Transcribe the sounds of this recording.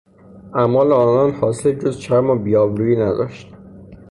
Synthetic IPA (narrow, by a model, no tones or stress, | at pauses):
æmɒːleɒːnɒnhɒːsed͡ʒozt͡ʃʰæɾmɒbijɒːbɾujiːnæd̪ɒ̰ʃt̪